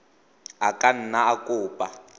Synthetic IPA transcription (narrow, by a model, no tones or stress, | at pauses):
akʼan̩naakʼʊːpʼa